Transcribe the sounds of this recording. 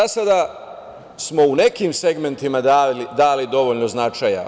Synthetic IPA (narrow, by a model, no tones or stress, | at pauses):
asad̪a | smo̞unekiːmse̞ɡme̞nt̪imaad̪aːlid̪o̞ʋoʎno̞znat͡ʃaja̰